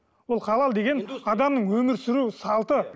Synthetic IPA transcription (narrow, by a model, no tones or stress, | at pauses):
wo̞lˠqʰɑlˠɑlˠd̪e̞ɡʲe̞nɑd̪ɑmnəɴwɵmɪɾsɪɾusɑlˠt̪ə